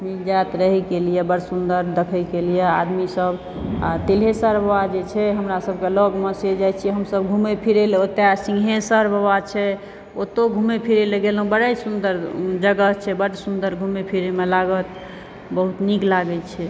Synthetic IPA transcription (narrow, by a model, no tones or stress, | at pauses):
mid͡ʒat̪ɾəɦɛkelijebəɽsund̪əɾd̪əkʰəjkelijea̰d̪misəb | at̪ilɦesəɾbʱəwad͡ʒet͡ʃʰɛɦəmɾasəb̚ʱkelɔɡmesed͡ʒajt͡ʃʰiɛɦəmsəbɡʱumepʰiɾeleot̪esĩŋɡɦesəɾbʱəwat͡ʃʰɛ | ot̪oɡʱumepʰiɾeleɡelɦũbəɽəjsund̪əɾd͡ʒəɡəɦt͡ʃʰɛbəɽsund̪əɾɡʱumepʰiɾemelaɡət̪ | bəɦut̪niklaɡət͡ʃʰɛ